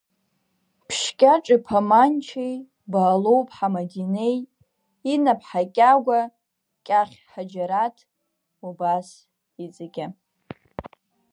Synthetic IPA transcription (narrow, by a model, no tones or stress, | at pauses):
pʰʃkʲʼaʈ͡ʂʼɪpʰamant͡ʃʰij | baːlo̞wpʼħamadine̞j | inapʰħakʲʼaɡʷa | kʲʼaχʲħad͡ʒaɾatʰ | ubas | id͡zaɡʲa